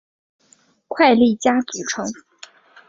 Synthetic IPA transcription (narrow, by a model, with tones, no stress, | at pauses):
kʰwa˥˧ɪli˥˩t͡ɕja˥t͡su˨˩ʈ͡ʂʰɤ˧˥ŋ